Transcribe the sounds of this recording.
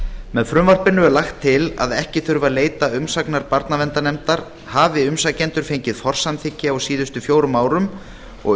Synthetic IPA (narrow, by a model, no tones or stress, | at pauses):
mɛðfɾʏmvar̥pɪnʏɛɾlaxt̪ʰːɪla̰ðɛhcɪθʏɾvaleːjt̪aʏmsaknaɾpaɾt̪navɛnt̪anɛmt̪aɾ̥ | haːvɪʏmsacɛnt̪ʏɾ̥fejɲcɪðfɔr̥samθɪcːɪawsiːðʏst̪ʏfjoːwɾʏmaːwɾʏm | ɔ̰ɣ